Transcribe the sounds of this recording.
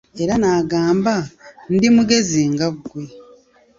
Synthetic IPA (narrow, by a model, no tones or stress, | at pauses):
e̞ɾanaːɡaːmbandimuɡe̞ziŋɡaβuɡwe